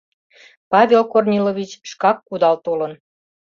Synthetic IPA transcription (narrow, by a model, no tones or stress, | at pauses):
pɑβʲelkornʲiloβʲit͡ɕʃkɑkːud̪ɑlt̪ulən